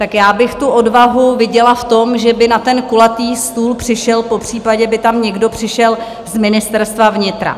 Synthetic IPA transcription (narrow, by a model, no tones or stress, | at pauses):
t̪akjaːbɪxt̪uʔodvaɦuvɪɟɛlaft̪o̞mʒɛbɪnat̪ɛnkulat̪iːst̪uːlpr̝̥ɪʃɛlpo̞pr̥iːpaɟɛbɪt̪amɲɛɡdo̞pr̝̥ɪʃɛl | zmɪnɪst̪ɛɾst̪vavɲɪt̪ɾa̰